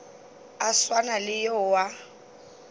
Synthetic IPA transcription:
aswanalɪjowa

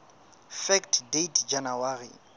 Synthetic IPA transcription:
fɛktʰdetʰd͡ʒanawarḭ

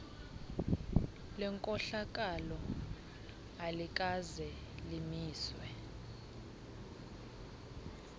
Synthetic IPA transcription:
lɛŋkʼɔɬak̬ʼalɔ | alikʼazɛ | limiːswɛ

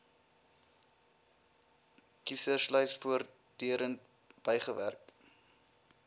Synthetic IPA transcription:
kisərslœjsfuər | d̥yəɾən | b̥əjχəvæ̰rk

